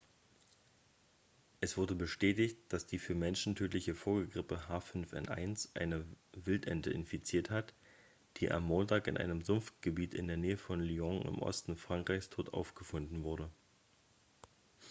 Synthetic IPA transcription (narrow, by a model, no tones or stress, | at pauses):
ʔɛsv̥ʊɐdəbəʃtɛːtɪçt̚d̥asd̥iːfyːɐmɛnʃn̩tʰøːtlɪçəfoːɐɡəɡʁɪpəɦaːfʏnfʔɛ̰nʔa̰ɪnsʔa̰ɪnəvɪltʔɛ̰ntəɪnfit͡siːɐthat | d̥iːʔa̰mːoːntaːkɪ̰nʔa̰ɪnəmzʊmftɡ̥əbiːtɪ̰ndeːɐneːəfɔnliɔŋʔɪ̰mʔɔ̰stn̩fʁ̥aŋkʁ̥aɪçstʰoːtʔa̰ʊfɡ̥əfʊndn̩vʊɐɾə